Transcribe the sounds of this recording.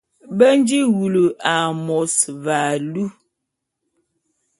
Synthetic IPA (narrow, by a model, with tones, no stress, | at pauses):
bə˦n˦d͡ʒi˦ɣu˨lu˨ʔa˨mɔ˨sva˨lu˦